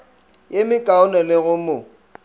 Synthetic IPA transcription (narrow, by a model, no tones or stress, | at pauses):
jemɪkʼaʊnɛlɪɣʊmʊ